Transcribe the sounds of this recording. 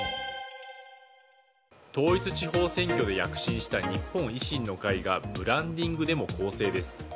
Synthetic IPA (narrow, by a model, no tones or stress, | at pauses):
t̪o̞ːit͡sɨt͡ɕiɦo̞ːsẽ̞ŋkʲo̞d̪e̞jakɯ̟̥ɕĩɰ̃ɕi̥t̪aɲ̟ipːõ̞ɰ̃iɕĩnːo̞kaiɡabɯ̟ɾãnd̪ʲĩŋɡɯ̟d̪e̞mo̞kʰo̞ːse̞ːd̪e̞sɨ̥